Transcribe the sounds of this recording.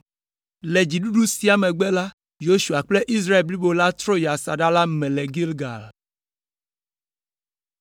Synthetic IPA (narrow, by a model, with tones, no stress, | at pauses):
lɛ˨d͡ʑi˨ɖu˦ɖu˦si˦a˨mɛ̃˨ɡ͡bɛ˦la˦ | jo˦ʃu˨a˨k͡plɛ˦ʔi˦s̬ɾa˦e˨lbli˦bo˨la˦t̪ɾɔ˦ja˨sa˨ɖa˦la˦mɛ̃˨lɛ˨ɡi˦lɡa̰˨l